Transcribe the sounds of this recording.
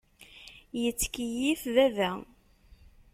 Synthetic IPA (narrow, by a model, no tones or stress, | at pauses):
jət͡sːkijifðævæ